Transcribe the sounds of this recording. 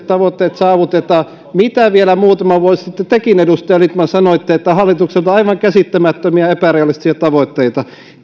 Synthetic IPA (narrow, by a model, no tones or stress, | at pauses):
t̪ɑʋot̪ːeːt̪sɑːʋut̪et̪ɑː | mit̪æʋielæmuːt̪ɑmɑʋuossit̪ːet̪ekinedust̪ɑjɑlit̪mɑnsɑnoet̪ːæet̪ːæhɑlːˑit̪ukselt̪ɑiʋɑŋkæsit̪ːæmæt̪ːømiæepæriolːˑist̪siæt̪ɑʋot̪ːeit̪ɑ